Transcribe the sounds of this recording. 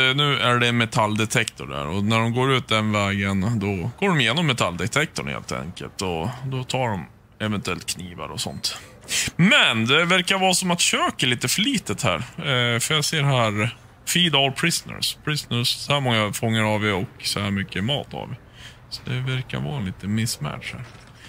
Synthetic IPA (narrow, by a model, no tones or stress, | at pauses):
nʉ̟ːʔæɖɛnmɛt̪ʰalːd̪ɛt̪ʰɛkt̪ʊɖæ̰ɾɔnæɖɔmɡoːɾʉ̟ːt̪̚d̪ɛnvɛːɡənd̪ɔɡ̥oːɖɔmɪjeːnɔmːɛt̪ʰald̪ɛt̪ʰɛk̚t̪ʊɳhḛːlt̪ʰɛ̰ŋkə̰lt̪ɔd̪ɔt̪ʰɑːɖɔm | ɛvɛnt̪ɵɛlt̪kʰniːva̰ɾɔsɔ̰nt̪ | mɛnd̪ɛvæɾkavɑːsɔmat̪ɕøːkəɭiːt̪əfœɭiːt̪ət̪hæ̰ːɾfœɾjɑseːɾɦæːɾ | fiːd̪ɔlpʰɾɪsnə̰spʰɾɪsnəssɔhæːɾmɔŋːafɔŋːəɾɑvɪɔksɔhæːmʏkːəmɑ̰ːt̪ʰɑ̰vɪ | sɔd̪ɛvæɾka̰vɑ̰ːliːt̪ənmɪsːmæ̰ʈʂhæ̰ːɾ